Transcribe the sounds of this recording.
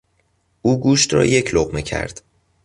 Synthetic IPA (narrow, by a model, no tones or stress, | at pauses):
ʔuːɡuːʃt̪ɾɒ̰ːje̞cʰloɣmecʰæ̰ɾd̪̥